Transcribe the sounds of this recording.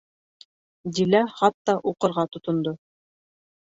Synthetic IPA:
d̪ʲilæχɑt̪ːɑʔuqɤ̆ɾʁɑt̪ŏt̪ŏnd̪o

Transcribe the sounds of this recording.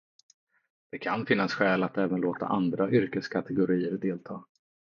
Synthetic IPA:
d̪̥ɛkʰanfɪnːasɧɛːlat̪ɛːvənloːt̪a̰ʔand̪ɾaʔʏɾkəskʰat̪ʰɛɡʊɾiːəɾd̪eːlt̪ʰɑː

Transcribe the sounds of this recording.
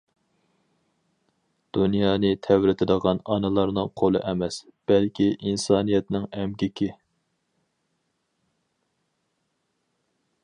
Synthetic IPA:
d̪̥unjɑːnɨt̪ʰɛwɾɪt̪ʰɪd̪əʁɑnɑnɨlˠɑɾnɨŋqʰolˠɨʔɛmɛsb̥ɛlkʲʰiʔinsɑːnijɛt̪nɪŋɛmɡʲɪkʲɪ

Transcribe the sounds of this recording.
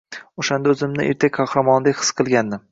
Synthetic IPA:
oʃand̪aɵzɪmnɪʔeɾt̪ʰekʲkʰɑhɾamɒnd̪ekʲhɨ̥sqʰɨlˠɡʲanːɪ

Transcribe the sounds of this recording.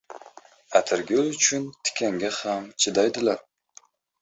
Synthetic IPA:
at̪ʰɪɾɡʲaʊt͡ʃʰʊnt̪ʰɪ̥kʲʰaŋɡʲahamt͡ʃʰɪd̪ajd̪ɪlaɾ

